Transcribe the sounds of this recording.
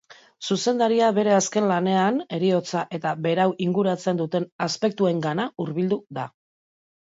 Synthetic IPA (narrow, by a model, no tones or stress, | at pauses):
suse̞nd̪aɾiaβe̞ɾe̞aske̞nlane̞ane̞ɾio̞t͡saʔe̞t̪abe̞ɾawʔiŋɡuɾat͡se̞nd̪ut̪e̞naspe̞k̚t̪ue̞ŋɡanauɾβild̪uða